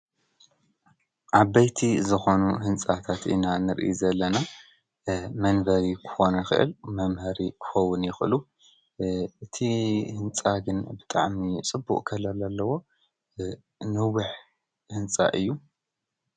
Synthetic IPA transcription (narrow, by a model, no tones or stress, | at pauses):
ʔaβɐjt̪ʰizɨxo̞nuhɨnt͡sʼat̪ʰat̪ʔḭnanɨɾʔɨjzɐlːɐna | mɐnbɐɾikʰɨ̥xo̞nɐxɨ̰ʔɨ̰lmɐmhɐɾikʰɨ̥xɐwːʊnjɪxɨlu | ʔɨt̪ʰihɨnt͡sʼaɡɨnbɨt̪ʼa̰ʕmit͡sʼɨbːuʔʼkʰɐlalalːɐwo̞ | nɨwɨħ | hɨnt͡sʼa̰ʔɨjːu